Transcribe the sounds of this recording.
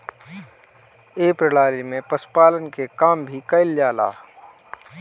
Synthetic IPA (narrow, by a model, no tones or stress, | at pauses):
eːpɾɪɽaːlimẽpɐspaːlənkekaːmbʱikɐɪljaːla̰ː